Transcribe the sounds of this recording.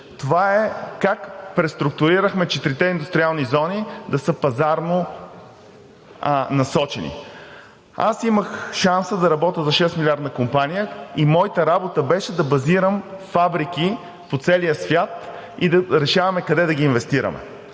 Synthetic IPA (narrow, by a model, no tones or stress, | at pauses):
t̪ovaɛkakpɾɛst̪ɾuk̚t̪ʊɾiɾəxmɛt͡ʃɛt̪ɾit̪ɛind̪ust̪ɾʲialˠnizɔnid̪ɐsɤpɐzaɾno | nɐsɔt͡ʃɛnḭ | a̰siməxʃansəd̪ɐɾɐbɔt̪əzɐʃɛsmilʲaɾd̪ɐkompanijəimɔjit̪əɾabot̪əbɛʃɛd̪ɐbɐziɾəmfabɾik̟i | pot̪sɛlijəsvʲjat̪ | id̪ɐɾɛʃavɐmɛkɐd̪ɛd̪ɐɡʲiːnvɛst̪iɾɐ̰mɛ̰